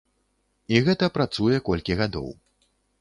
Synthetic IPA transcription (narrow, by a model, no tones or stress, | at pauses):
iɣɛt̪ɐpɾat̪sujɛkɔlʲkʲiɣad̪ɔ̰w